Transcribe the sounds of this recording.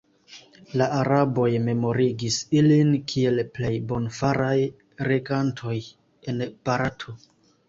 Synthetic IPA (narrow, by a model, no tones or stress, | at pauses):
laʔaɾabo̞jme̞mo̞ɾiɡisilinkʰie̞lple̞jbo̞nfaɾaj | ɾeɡantʰo̞j | e̞nb̥aɾatʰo